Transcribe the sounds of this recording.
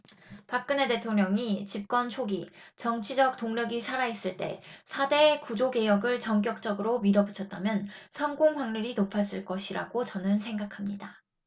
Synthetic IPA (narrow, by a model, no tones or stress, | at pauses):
pak̚k͈ɯne̞te̞tʰoŋɲʌŋit͡ɕip̚k͈wʌnt͡ɕʰoɡit͡ɕʌŋt͡ɕʰid͡ʑʌk̚t͈oŋɲjʌɡisʰaɾais͈ɯɭt͈e̞̰sʰade̞ːkud͡ʑoɡe̞jʌɡɯɭt͡ɕʌŋk̬͈jʌk̚t͡ɕ͈ʌɡɯɾomiɾʌbɯt͡ɕʰʌt̚t͈amjʌnsʰʌnɡoŋɸwaŋɲuɾinopʰas͈ɯɭk͈ʌɕʰiɾaɡot͡ɕʌnɯnsʰe̞ŋɡakʰamɲida